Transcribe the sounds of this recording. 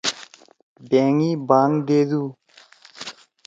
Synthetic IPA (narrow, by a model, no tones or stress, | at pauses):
beːŋiːbaːŋd̪eːd̪uː